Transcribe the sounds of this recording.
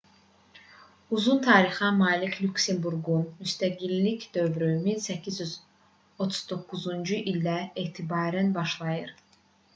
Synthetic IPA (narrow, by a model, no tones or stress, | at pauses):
uzunt̪ʰɑːɾixɑmɑːlicʰlʲuksembuɾɡunmyst̪æɡilːicd̪ø̞vɾyminsæcʰizjyz | o̞t̪ʰu̥z̥d̪o̞kːuzund͡ʒuʔild̪æeːt̪ʰibɑːɾænbɑʃlˠɑjɯɾ